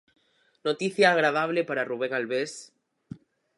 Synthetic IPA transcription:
not̪iθjaːɣ̞ɾað̞aβlepaɾaruβ̞eŋalβes

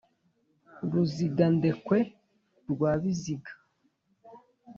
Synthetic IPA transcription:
ɾuziɡande̞kwe | ɾɡwaːβiziɡḁ

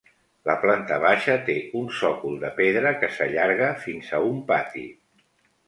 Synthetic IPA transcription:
ləplant̪əβ̞aʃət̪eunsɔkulˠd̪əpeðɾəkəsəʎaɾɣ̞əfinzəumpat̪ḭ

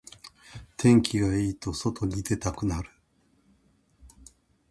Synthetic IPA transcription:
t̪ʰẽ̞ŋkʲiɡaiːt̪o̞so̞t̪o̞ɲ̟id̪e̞t̪akɯ̟naɾɯ̟

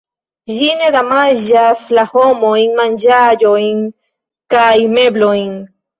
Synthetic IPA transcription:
ʒined̪amaʒaslahomoiŋmand͡ʒajoiŋ | kajmebloiŋ

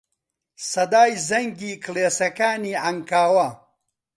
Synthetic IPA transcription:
sɐd̪aːjzɐŋɡiːkʰleːsɐkaːniːʕɐŋkaːwɐ

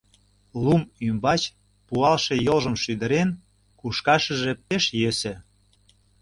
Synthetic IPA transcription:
lumymbɑt͡ɕ | puɑlʃe̽jolʒə̆mʃyd̪ə̆ɾen | kuʃkɑʃə̆ʒĕpeʃjøsĕ

